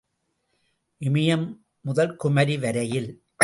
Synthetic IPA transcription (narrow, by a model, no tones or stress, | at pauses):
ʔɪmɪjɐmː | ʊðɐlkʊmɐɾiʋɐɾɐjɪl